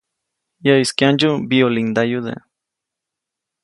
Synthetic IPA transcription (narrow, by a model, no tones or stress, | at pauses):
jaiskjand͡ʒubiolind̪ajud̪ḛ